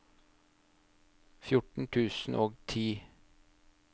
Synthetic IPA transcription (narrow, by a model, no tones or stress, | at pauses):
fjʊʈɳ̩t̪ʰʉːsn̩ʔoːɡt̪ʰiː